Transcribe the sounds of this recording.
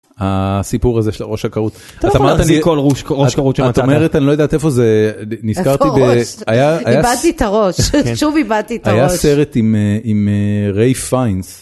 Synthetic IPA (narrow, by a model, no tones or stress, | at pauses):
asipuʁazeʃela̰ʁo̞ʃhakaʁut̪ | at̪amaʁtanikoluʃʁoaʃkaʁuʃeat̪omeʁet̪anilojedat̪efo̞zeniskaʁt̪ibeajaːjiabad̚t̪it̪aʁoʃʃuvibad̪t̪itajjase̞ʁet̪imimeʁejfajns